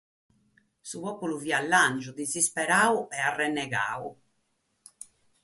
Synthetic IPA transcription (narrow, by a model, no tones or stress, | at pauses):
suβɔpuluviːalːand͡ʒud̪izispɛɾaːuʔɛarːɛnːɛɣa̰ːu